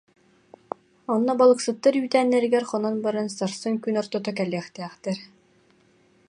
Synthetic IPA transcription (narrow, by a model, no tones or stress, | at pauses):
ɔnːɔbalˠɯksɯt̪ːaɾyːt̪æːnːɛɾiɡɛɾχɔnɔnbaɾansaɾsɯŋkynɔɾt̪ɔt̪ɔkɛlːɛːχt̪ɛːχt̪ɛɾ